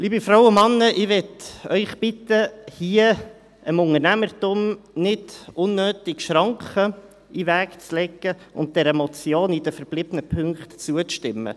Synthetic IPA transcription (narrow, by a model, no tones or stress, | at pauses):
liːbifɾawʊmɑnːəʔɪʋɛtœʏχb̥ɪtəhiə | əmʊŋəɾnæməɾtʊmnɪdʊnːøːtɪkʃɾɑŋkχə | ivækt͡slɛɡəʔʊ̰nt̚d̥ɛɾɛmɔt͡sjoːnidəfəɾb̥lɪb̥ənəpʰʏŋkχtt͡suət͡sʃtɪmːə̰